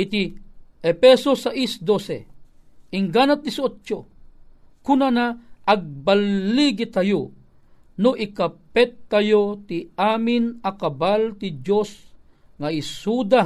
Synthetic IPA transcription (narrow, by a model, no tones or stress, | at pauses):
it̪iʔɛpɛsosaʔisd̪osḛ | ʔiŋɡanat̪̚ːisot͡ʃt͡ʃo | kunanaʔːɡ̚balːiɡit̪ajo | noʔikapɛt̪ːajot̪iaːminakabalt̪id͡ʒos | ŋaisud̪a